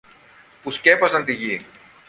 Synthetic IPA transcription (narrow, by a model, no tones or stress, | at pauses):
puscepɐzɐnt̪iʝi